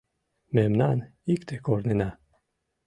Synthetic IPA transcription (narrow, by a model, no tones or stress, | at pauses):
memnanikt̪ʰekoɾnena